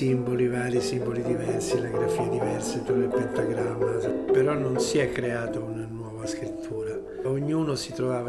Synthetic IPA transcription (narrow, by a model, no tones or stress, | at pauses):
imbolivaːɾisimbolid̪ivɛrsilaɡɾafiːad̪ivɛrset̪uɾebint̪aɡɾamːaspeɾɔnːonsiɛkːɾeaːt̪aunanwɔːvaskɾit̪ʰːuːɾa | oɲːuːnosit̪ɾovaːva